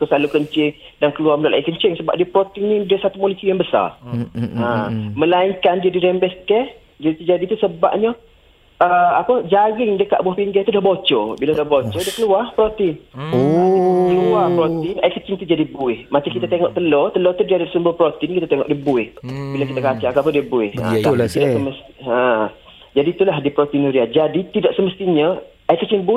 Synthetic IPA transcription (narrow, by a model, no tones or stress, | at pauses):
kəsalukəɲt͡ʃɪŋ | dankəluarməlaʔlʔaiʔkəɲt͡ʃɪŋsəba̰p̚diəpɾot̪iŋnĩdiəsat̪umolisijaŋbəsa̰ramə̃laiŋkandiədiɾɛmbɛskɛh | diət̪ud͡ʒadit̪usəba̰p̚ɲə | əapəd͡ʒaɣɪŋdəka̰ʔbuahpiŋɡɛht̪udahbot͡ʃɔbiladahbot͡ʃɔdiəkəluarpɾot̪ɪn | kəluapɾot̪inaikət͡ʃɪŋt̪ud͡ʒadibuɪhmat̪ikit̪at̪eŋɔʔt̪əlɔt̪əlɔt̪udiadasumbəpɾot̪inkit̪at̪eŋɔ̰ʔdibuɪhbilakit̪akat͡ʃakapədiəbuɪhə̰̃t̪idasəməst̪ə | d͡ʒadit̪ulahdipɾot̪inuɾiad͡ʒadit̪idaʔsəməst̪iɲə | aikət͡ʃiŋbu